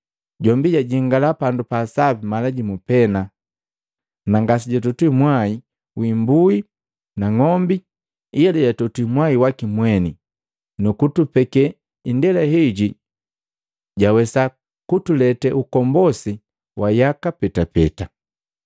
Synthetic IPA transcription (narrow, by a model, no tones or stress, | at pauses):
ɟɔmbiɟaɟiŋɡalapandupaːsabimalaɟimupɛna | naŋɡas̬iɟatutimwai | wimbui | naŋɔmbi | ialɛɟatutimwaiwakimwɛni | nukutupɛkɛ | indɛlaɦiɟi | ɟawɛsa | kutulɛtɛʔukɔmbɔsi | wʔajakapɛtapɛ̰ta